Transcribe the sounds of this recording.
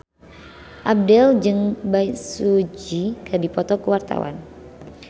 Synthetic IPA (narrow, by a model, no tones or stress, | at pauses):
ʔab̚dɛld͡ʒəŋbajsud͡ʒikədipɔt̪ɔkəwart̪a̰wa̰n